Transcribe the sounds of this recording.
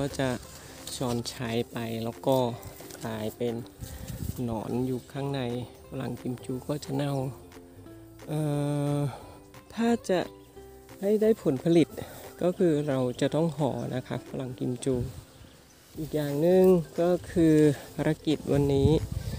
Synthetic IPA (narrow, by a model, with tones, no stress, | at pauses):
kɔː˥˩t͡ɕa˨˩ | t͡ɕɔː˧nt͡ɕʰa˦˥jpa˧jlɛː˦˥wkɔː˥˩klaː˧jpe˧nː | ɔ̰ː˩˦njuː˨˩kʰaː˥˩ŋna˧jpʰa˧la̰˨˧˩ŋki˧mt͡ɕuː˧kɔː˥˩t͡ɕa˨˩na˥˩w | ʔɤː˧ | t̪ʰaː˥˩t͡ɕa˨˩ʔ | ha˥˩jdaː˥˩jpʰo˨˩˦npʰa˧li˨˩t̪̚kɔː˥˩kʰɯː˧ɾa˧wt͡ɕa˨˩t̪ɔ˥˩ŋhʰɔ̰ː˩˦nʔa̰˦˥kʰa̰˦˥pʰa˧la˧˩ŋki˧mt͡ɕuː˧ | ʔiː˨˩k̚jaː˨˩ŋnɯ˨˧ŋkɔː˥˩kʰɯː˧pʰaː˧ɾa˧˥ki˨˩t̪̚wa˧nːiː˦˥